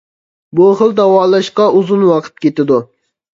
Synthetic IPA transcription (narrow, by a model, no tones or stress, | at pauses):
buχəlˠd̪ɑwɑːlˠɑʃqɑuzunwɑqʰə̥t̪̚kʲet̪ɪd̪u